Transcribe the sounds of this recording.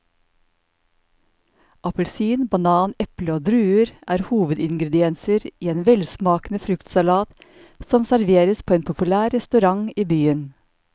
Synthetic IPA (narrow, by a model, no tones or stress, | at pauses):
ʔɑpəlsyːnbɑnɑːnɛpləoːd̪ɾʉːəɾʔæːɾhuːʋəd̪ɪŋɡɾɛd̪ɪɛnsəɾiːeːnʋɛlsmɑːkn̩əfɾʉkt̪sɑlɑːt̪ | sɔmsæɾʋeːɾəspʰoːeːnpʰʊpʉlæːɾɛst̪ʉɾɑŋiːbyːən